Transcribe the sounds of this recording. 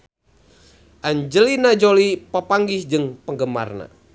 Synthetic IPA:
ʔaɲd͡ʒəlinad͡ʒolipəpaŋɡɪhd͡ʒɨŋpəŋɡəma̰rna̰

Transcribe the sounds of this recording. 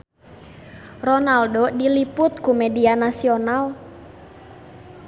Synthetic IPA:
rɔnaldodilipʊt̪̚kumedianasional

